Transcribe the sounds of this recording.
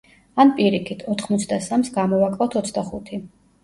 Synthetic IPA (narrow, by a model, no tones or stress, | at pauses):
anpʼiɾikʰit̪ʰɔt̪ʰχmɔt̪sʰd̪asamsɡamɔvakʼvˠat̪ʰɔt̪sʰd̪aχut̪ʰi